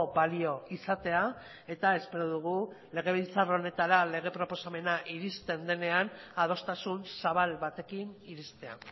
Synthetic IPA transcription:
balio̞isat̪e̞a | e̞t̪ae̞spe̞ɾoðuɣ̞u | le̞ɣ̞e̞β̞ilt͡saro̞ne̞t̪aɾale̞ɣ̞e̞pɾo̞po̞same̞naʔiɾist̪e̞nd̪e̞ne̞anað̞o̞st̪asunsaβ̞alβat̪e̞kiniɾist̪e̞a̰

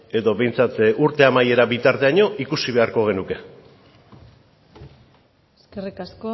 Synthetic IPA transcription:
e̞ðo̞βe̞jnt͡sat̪uɾt̪e̞amaje̞ɾabit̪aɾt̪e̞aɲo̞ʔikusiβ̞e̞aɾko̞ɣ̞e̞nuke̞ | eskerikasko

